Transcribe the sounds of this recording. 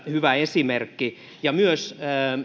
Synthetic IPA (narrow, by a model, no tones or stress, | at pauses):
hyʋæesimerkːi | jɑmyøsə